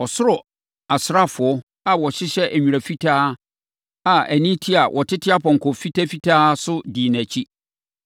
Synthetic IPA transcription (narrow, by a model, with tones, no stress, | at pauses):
ɔ˨sʊ˦ɾɔ˨ | a˨sɾa˦fʊ˨ɔ˦ | a˨wɔ˨ɕɪ˦ɕɛ˦ʔæ˨ɲᶣũ˨ɾæ˨fi˦tʰaː˦ | a˨æ˨nĩ˦tʰi˦a˨wʔɔ˨tʰɪ˦tʰɪ˦a˦pʰɔ̃˨ŋ˨kʰɔ˨fi˦tʰæ˦fi˦tʰaː˦sʊ˦diː˨næ˨t͡ɕʰi˦